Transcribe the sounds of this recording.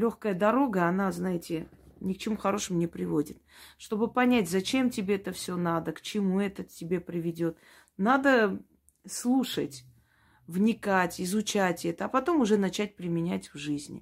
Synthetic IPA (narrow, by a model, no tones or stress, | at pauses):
lʲo̞xkəjəd̪ɐɾo̞ɡəɐnaznajɪtʲɪnʲɪkt͡ɕɪmuxɐɾo̞ʂɨmʊnʲɪpɾʲɪvo̞dʲɪt̪̚ʂt̪o̞bɨpɐnʲætʲzɐt͡ɕe̞mtʲɪbʲe̞ɛt̪əfsʲo̞nad̪əkt͡ɕɪmuɛt̪ətʲɪbʲe̞pɾʲɪvʲɪdʲo̞t̪ | nad̪ə | slˠuʂətʲ | vnʲɪkatʲɪzʊt͡ɕatʲɛt̪əɐpɐt̪o̞mʊʐɛnɐt͡ɕæt̚ʲpɾʲɪmʲɪnʲætʲvʐɨzʲnʲɪ̰